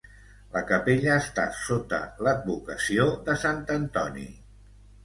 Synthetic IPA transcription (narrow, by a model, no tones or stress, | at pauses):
ləkəpeʎəːst̪a̰sot̪ə̰ləd̪̚βukəsioðəsant̪ənt̪ɔnḭ